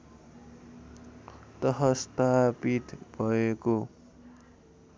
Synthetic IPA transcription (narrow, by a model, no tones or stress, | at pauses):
t̪ʌɦʌst̪apit̪b̥ʱʌeko